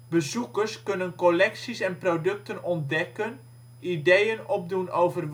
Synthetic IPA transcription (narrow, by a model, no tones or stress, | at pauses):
bəzukərskønənkolɛksisɛnprodɵk̚tənɔnt̚dɛkən | idejənɔp̚dunowvərʋ